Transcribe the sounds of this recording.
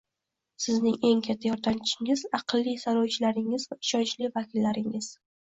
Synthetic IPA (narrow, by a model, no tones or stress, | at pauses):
sɪznɪŋe̞ŋkʲʰat̪ʰːajɒɾd̪amt͡ʃʰɪ̥ʃɪŋɪzɑqlˠːisaɾɒwt͡ʃʰɪlaɾɪŋɪzvaɪʃɒnt͡ʃlɪvakʲɪlːaɾɪŋɪz̥